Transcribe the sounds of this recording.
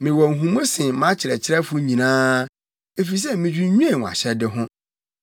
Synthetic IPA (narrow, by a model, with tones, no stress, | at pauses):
mɪ̃˨wɔ˨ŋ̩˨ɦũ˨mʊ̃˦sɪ̃˨mã˦t͡ɕʰɪ˨ɾɛ˨t͡ɕʰɪ˦ɾɛ˦fʊ˦ɲĩ˨nãː˦ | e˦fi˨s̬ɛ˦mɪ̃˨d͡ʑᶣu˦ɲũ˦e˨ŋ̃ʷ˨a̰˨ɕɛ˦dɪ˦ɦʊ̃˦